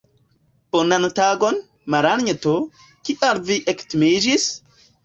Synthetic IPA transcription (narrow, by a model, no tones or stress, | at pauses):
ponantaɡon | maɾanɲeto | kiʔalviʔektimid͡ʒis